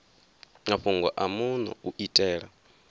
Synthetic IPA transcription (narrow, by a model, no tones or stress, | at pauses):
ŋaɸuŋɡɔʔamunɔ̰uʔitʼɛːɺa̰